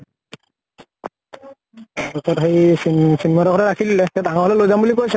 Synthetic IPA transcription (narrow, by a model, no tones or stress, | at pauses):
ɔsɔɾɦejsisinɛmaɾɔkʰɔɾɛɾakʰillɛt̪ad̪ʱaŋɔɦɔlɛlojzambulikojsɛ